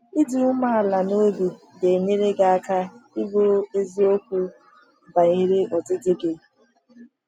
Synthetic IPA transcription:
i˦du˦ʊ˦ma˦a˨la˨no˦bu˨ | de˨ne˦ɾe˦ɡa˨a˦ka˦i˦bo˦e˦zi˦o˦kʷu˦ | ba˨i˨ɾe˦ɔ˨dɪ˦dɪ˦ɡe˨

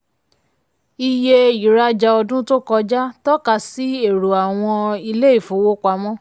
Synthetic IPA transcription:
i˧je˧i˨ɾa˦d͡ʒa˧ɔ˧dũ˦to˦kɔ˧d͡ʒa˦tɔ˦ka˦˨si˨˦e˦˨ɾu˨a˨w̃ɔ̃˧i˧le˦i˦˨fo˨˦wo˦kʷa˧˦mɔ̃˦

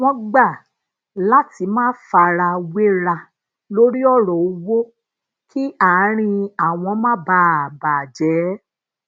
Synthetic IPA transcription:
w̃ɔ̃˧ɡ͡ba˦˨ | la˦ti˧˦mãː˦fa˧ɾa˧we˦ɾa˧ | lo˦ɾi˦ɔ˦˨ɾɔ˨u˧wo˦ | kʰi˦a˨˦ɾ̃ĩ˧a˦˨w̃ɔ̃˧˦mã˦ba˧˦a˨baː˨d͡ʒɛ˨˦

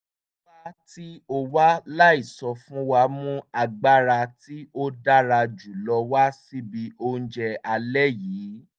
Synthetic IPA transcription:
ba˦ti˦o˧wa˦la˦i˦˨sɔ˧fũ˦wa˧˦mũ˦a˧ɡ͡ba˦ɾa˧ti˦o˦da˦ɾa˧d͡ʒu˨lɔ˧wa˦si˦bi˧˦o˧n̩˦d͡ʒɛ˧a˧lɛ˦jiː˨˦

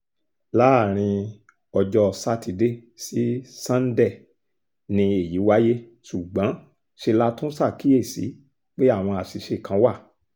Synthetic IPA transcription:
la˦˨ɾ̃ĩ˧ | ɔ˧d͡ʒɔ˧sa˧ti˧de˦˨si˨˦sã˦n̩˦dɛ˦˨ | nĩ˧e˨ji˨˦wa˦je˦ | su˨ɡ͡bã˨˦ | ʃe˧la˦tũ˦sa˦˨ki˨˦e˦˨sḭ˨˦ | k͡pe˦a˦˨w̃ɔ̃˧a˨si˨ʃe˧˨kã˨˦wa˦˨

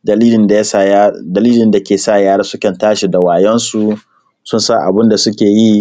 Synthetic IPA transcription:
dliː˦lɪ˦nda˨ja˦sa˨a˦dɐ˨liː˦lɪ˨nda˨kʲeː˨sa˦˨jaː˦ɽa˦sʊ˦kɐ˨ntaː˦ʃi˨da˨waː˨jɛ˦nsu˨ | sʊ˦nsa˦ʔa̰˨bɪ˦nda˨sʊ˦kʲeː˨ji˦

